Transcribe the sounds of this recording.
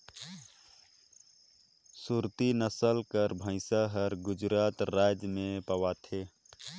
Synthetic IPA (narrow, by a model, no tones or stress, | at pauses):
suɾt̪inəsəlkəɾbʱə̃ɪsaɦəɾɡʊd͡ʒɾaːt̪ɾaːd͡ʒmẽpəwat̪ʰeː